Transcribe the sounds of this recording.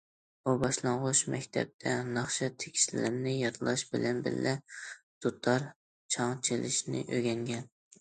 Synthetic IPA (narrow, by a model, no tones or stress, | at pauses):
bubɑʃlˠɑɴʁʊʃmɛkʲt̪ʰɛ̰p̚t̪ʰɛnɑχʃɑt̪ʰe̥kʲʰi̥ʃɪlɪɾnɪjɑt̪ʰɨlˠɑʃbɪlɛnbɪ̰ɾlʔɛ | d̪̥ot̪ʰɑɾ | t͡ʃʰɑŋt͡ʃʰelɪʃnɪ̰ʔøɡʲɛŋɡʲɛn